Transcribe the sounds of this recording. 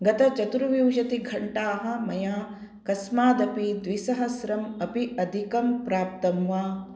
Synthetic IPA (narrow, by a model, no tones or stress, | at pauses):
ɡɐt̪ɐt͡ʃɐt̪uɾuʋjuwd͡ʒɐt̪iɡʱɐɳʈaːɦɐ̆mɐjaː | kɐsmaːd̪ɐpid̪ʋisɐɦɐsɾɐmɐpiɐd̪ʱikɐmpɾaːp̚t̪ɐmʋaː